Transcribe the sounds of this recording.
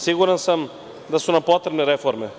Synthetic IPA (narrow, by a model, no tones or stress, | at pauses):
siɡuɾɛnsəm | d̪ɐsunɐpɔt̪ɾɛbnɛɾɛfoɾmi